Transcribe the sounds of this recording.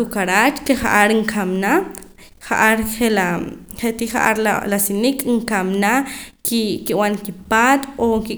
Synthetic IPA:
ukaɾat͡ʃkeχa̰ʔaɾŋkʰamna | χaʔaɾχelaχet̪iχaʔa̰ɾla̰lasinikʼŋkamnakikiwankipat̪oki

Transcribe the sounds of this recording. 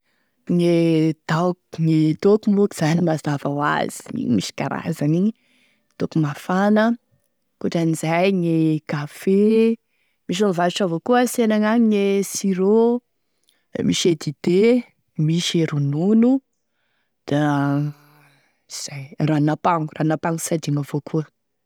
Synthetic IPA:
ŋed̪awkŋet̪okumokiz̥animazavawa̰z̥i̥ḭɲimiʃi̥kaɾa̰zaniɲi | t̪okumafanə | kuʈ͡ʂanizajŋekafe | miʃ̬amvaliʈ͡ʂavokuəsenaŋaŋiŋesiɾo | miʃed̪id̪e | miʃeɾununu | d̪̥a | iz̥ajranapaŋuranapaŋusad̪iŋavokʰuə

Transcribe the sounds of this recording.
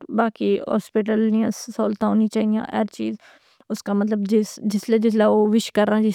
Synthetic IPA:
baːkiːɦɔ̰ːspɪʈəlniãːsoːlt̪ãːɦoːnĩːt͡ʃaːɦijã̰ːʔɛɾt͡ʃiːz | ʊskaːmət̪̬ləbd͡ʒɪsd͡ʒɪsleːd͡ʒɪslaːoːʋɪʃkəɾːãːd͡ʒɪ

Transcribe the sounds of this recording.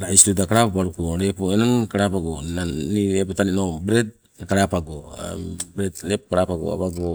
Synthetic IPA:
ɾaisɾodakaɾapapaɾukoɾepoenonkaɾapaɡonaniɾepotaninobɾed | kaɾapaɡo̰ | bɾednepkaɾapaɡo̰a̰βaɡo

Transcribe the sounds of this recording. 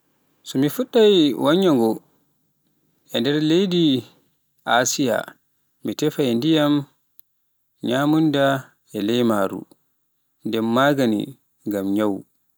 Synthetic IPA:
sɔmifuɗːajwaɲːaŋɡɔ | ɛndɛɾlejdi | asija̰ | mitɛfajndijam | ɲaːmunda | ɛlɛjmaːɾṵ | ndɛmːaːɡanḭ | ŋɡamɲaw

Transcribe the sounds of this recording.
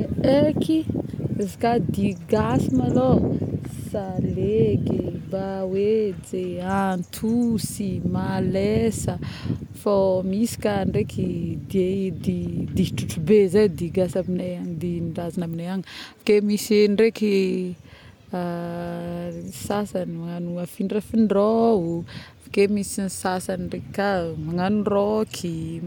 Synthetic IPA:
ekizikad̪iɡasimalo | saleɡebawed͡zeant̪ʰusimalesəfomisi̥kaɳɖ͡ʐekʰid̪ied̪id̪iʈ͡ʂuʈ͡ʂubezajd̪iɡasaminajand̪inɖ͡ʐazanaminajaŋfḁkemisɳɖ͡ʐeki | a | sasanmaŋanuafiɳɖ͡ʐafiɳɖ͡ʐoufakemisinsasanirekkamaŋanurokʰi

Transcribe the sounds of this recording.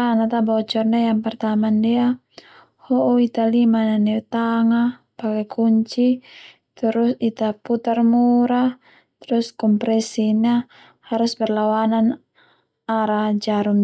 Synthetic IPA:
anat̪abawat͡ʃɔrnajaŋpɛrt̪aamandia | hɔʔɔit̪alimananɛt̪aŋa | pakɛkʰuɲt͡ʃi | t̪əɾusit̪aput̪armuɾa | t̪ɾuskɔmpɾɛsiɲa | haɾusbɛrlawanan | aɾad͡ʒaɾum

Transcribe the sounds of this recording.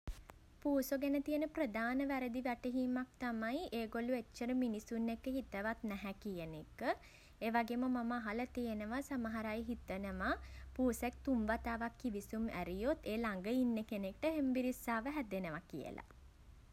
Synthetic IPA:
puːsoɡenət̪ijənəprəd̪ʱaːnəʋæɾəd̪iʋɛʈəɦiːmak̚t̪amajeːɡoluet͡ʃːəɾəminisunːekːəɦit̪əʋat̪nɛɦɛkijənekːə | eːʋaɡeːməmaməaɦalət̪ijənəʋasaməɦaɾajɦit̪ənəmapuːsek̚t̪umʋat̪aːʋakːiʋisumæɾijot̪eːlaŋɡəinːəkenek̚ʈəɦembiɾisːaːʋəɦæd̪enəʋakḭjə̰la̰

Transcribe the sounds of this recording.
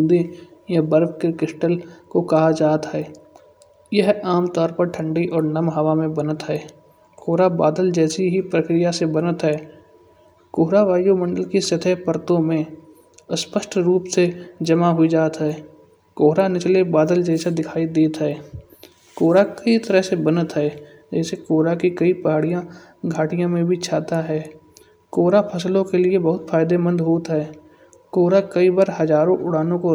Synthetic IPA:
nd̪ijɐbəɾbkekɪʃʈəlkokɐɦad͡ʒaːt̪ɦɛː | jəɦaːmt̪ɔːɾpəɾʈʰə̃ɳɖiʔɔːɾnɐmɦɐʋamẽbənət̪ɦɛː | koːɾaba̰ːd̪əld͡ʒɛːsiɦipɾəkɾɪjasebənət̪ɦɛː | koːɦɾaʋaːjomə̃ɳɖəlkisɐt̪ʰɛpəɾt̪õmẽ | əspəʃʈʰɾuːpsed͡ʒɐmaɦʊid͡ʒaːt̪ɦɛː | koːɦɾanɪt͡ʃlebaːd̪əld͡ʒɛːsad̪ɪkʰaːid̪eːt̪ɦɛː | koːɾakəit̪əɾəɦsebənət̪ɦɛː | d͡ʒɛːsekoːɾakikɐipɐɦaːɽijã | ɡʱaːʈijãmẽbʱit͡ʃʰaːt̪aɦɛː | koːɾapʰɐslõkeliebɐɦʊt̪fʰaːɪd̪emə̃nd̪ɦoːt̪ɦɛː | koːɾakɐibaɾhɐzaːɾõʔʊɽ̤aːnõko

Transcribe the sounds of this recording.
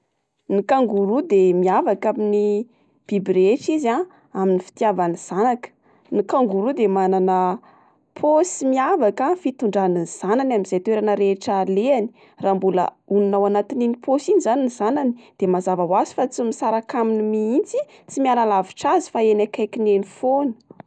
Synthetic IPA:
nikaŋɡuɾud̪emiavakamini | b̥ibɾeʈ͡ʂiza | aminifi̥t̪iavaniz̥anakə̥ | nikaŋɡuɾud̪emananə | pʰosimiavakafit̪uɳɖ͡ʐaninz̥ananaminz̥ajt̪weɾanəɾeʈ͡ʂaleani̥ | raːmbulə̰ | uninawanat̪ininipʰosinizaninzananid̪̥emazavawazi̥fat͡simisaɾakaminimiint͡si | t͡simialalaviʈ͡ʂazi̥faenakajkinenifonə

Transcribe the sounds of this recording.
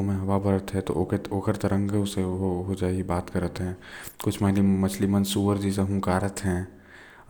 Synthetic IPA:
mẽɦɐʋabəɾət̪ɦɛ̃t̪o̰ʔokoːkəɾt̪ɾə̃ŋɡʊseɦoɦod͡ʒaːeɡibaːt̪kəɾət̪ɦɛ̃ːkʊt͡ʃʰmɛɦnimɐt͡ʃʰlimənsuːʋəɾd͡ʒis̬eɦũːkaːɾət̪ɦɛ̃ː

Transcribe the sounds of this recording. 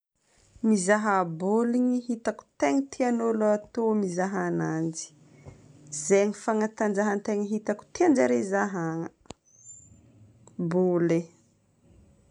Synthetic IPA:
mizaɦaboliɲiɦit̪aku̥t̪eŋit̪ʰianoluat̪omizaɦaanand͡ʒi̥ | zeɲifaŋat̪and͡ʒaɦant̪eŋiɦit̪aku̥t̪ieand͡ʒaɾezaɦaŋə | bole

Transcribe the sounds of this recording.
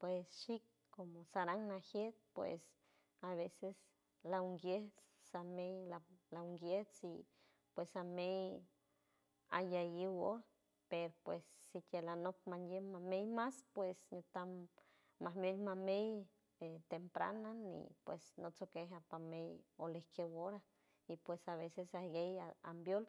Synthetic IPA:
pwesʃikː | omosaɾaŋnahjet̪̚pwḛs | aβeses | lauŋɡjet͡s | samejlalauŋɡjet͡si | pwesamej | a̰jajiwo | peɾopwesːikelanok̚manjemamejmaspwesɲot̪amː | ahmejmamej | et̪empɾa̰nanḭpwḛsnot͡sokeɦapamejolehkʰewoɾa | ipwesaβesesahɡejaa̰mbjol

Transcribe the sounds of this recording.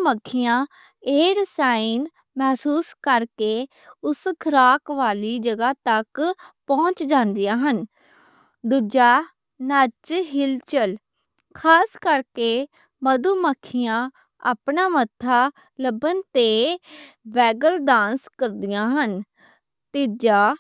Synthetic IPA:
məkʰːɪjãː | eːɾəsaːiːn | mɛːsuːskəɾkeː | ʊskʰəɾaːkʋaːliːd͡ʒəɡaːt̪əkpɔ̃ːɲt͡ʃd͡ʒãːnd̪ɪjãːɦən | d̪ud͡ʒaː | nət͡ʃɦɪlt͡ʃəl | kʰaːskəɾkeː | məd̪uːməkʰːɪjãː | a̰ːpɳaːmət̪ʰːaː | ləbənt̪eː | ʋɛːɡəlɖãːnskəɾd̪ɪjãːɦən | t̪id͡ʒaː

